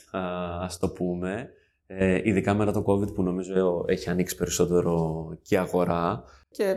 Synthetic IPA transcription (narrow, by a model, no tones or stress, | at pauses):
ɐst̪o̞pume̞ | eiðikɐmet̪ɐt̪oko̞vid̪puno̞mizo̞e̞çiɐniksi̥pe̞ɾisot̪e̞ɾo̞ceɐɣo̞ɾɐ | ce